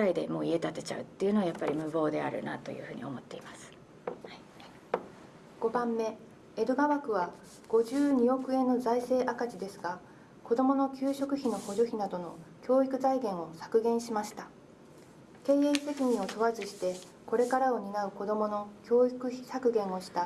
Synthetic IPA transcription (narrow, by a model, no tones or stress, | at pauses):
aid̪e̞̰mo̞ːie̞t̪at̪e̞̥t͡ɕa̰ɯ̟t̪ːeiɯ̟noajapːaɾʲimɯ̟bo̞ːd̪e̞a̰ɾɯ̟̰nat̪o̞̰jɯ̟̰hɯ̟ːɲio̞̰mo̞t̪ːe̞imasɨ̥ | ɡ̥o̞bãmːe̞ | ed̪oɡaβakɯ̟βa | ɡ̥o̞ʑɨːɲ̟io̞kɯ̟e̞nːo̞zaise̞ːʔakat͡ɕid̪e̞sɨɡa | ko̞d̪o̞mo̞no̞kʲɨːɕo̞kɯ̟çino̞ho̞ʑo̞çinad̪o̞no̞kʲo̞ːikɯ̟zaiɡẽ̞ɰ̃o̞sḁkɯ̟ɡẽ̞ɰ̃ɕimaɕi̥t̪a | ke̞ːeise̞kʲiɲ̟ĩo̞t̪o̞βazɨɕi̥t̪e̞ | ko̞ɾe̞kaɾao̞ɲ̟inaɯ̟ko̞d̪o̞mo̞no̞kʲo̞ːikɯ̟çi̥sakɯ̟ɡẽ̞ɰ̃o̞ɕi̥t̪a